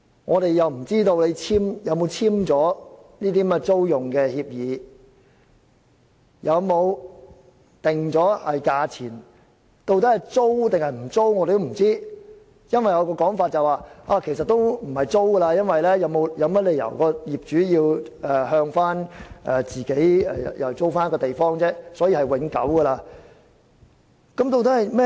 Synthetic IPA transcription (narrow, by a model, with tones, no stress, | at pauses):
ŋʔɔː˨˧ɾe˨jjɐ˨wm̩˨˩t͡siː˥t̪o˧wle˨˧jt͡sʰiː˥mjɐ˨˧wmo˨˧wt͡sʰiː˥mt͡sɔː˨˥niː˥t̪iː˥mɛ˥t͡so˥wjʊ˨˩ŋkɛː˧hiː˧p̚jiː˨˧ | jɐ˨˧wmo˨˧w | t̪ɪ˨˩ŋt͡sɔː˨˥hɐ˨jkaː˧t͡sʰiː˨˩n | t̪o˧wt̪ɐ˥hɐ˨jt͡so˥wt̪ɪ˨ŋhɐ˨˩jm̩˨˩t͡so˥wŋɔː˨˧d̪e˨˩jt̪o˥m̩˨˩t͡siː˥ | jɐ˥nwɐ˨jɔ˨˧wkɔː˧kɔː˨˥ŋfaː˧t̚t͡sɐ˨˩waː˨˧ʔaː˧kʰe˨˩js̬ɐ˨t̚t̪o˥wm̩˨˩hɐ˨jt͡so˥wɡə˧laː˧jɐ˥nwɐ˨jlɛː˥jɐ˨˧wmo˨˧wjɐ˨˧wmɐ˥t̚le˨˧jɐ̰˨˩wkɔː˧jiː˨˩p̚t͡ʃyː˨˥jiː˧wɛ˨ɦœː˧ŋfaː˥nʔɛ˨˧t͡siː˨ke˨˥jɛ̰˨ɐ̰˨jɐ̰˨˩wt͡so˥wfaː˥nkɔː˧t̪e˨jfɔː˥ŋt͡sɛː˥sɔː˨˥jiː˧hɐ˨jwɪ˨˧˥ŋkɐ̰˨˥wɡə˧laː˧ | kɐ˨˥mt̪o˧wt̪ɐ˦˥hɐ˨jmɛː˥